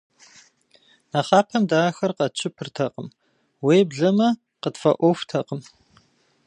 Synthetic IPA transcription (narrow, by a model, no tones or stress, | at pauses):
nɐχɑːpʰɐmdaːxɐrqɐt͡ʃʰɪpʰɨrtʰɐqəm | weːbɮɐmɐ | qətfɐ̰ʔʷɔftʰɐqəm